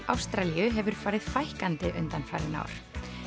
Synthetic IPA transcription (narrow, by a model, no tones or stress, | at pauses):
awst̪ɾaliʏɦɛvʏɾ̥faːɾɪðfajhkant̪ɪʔʏnt̪anfa̰ːɾɪna̰wɾ̥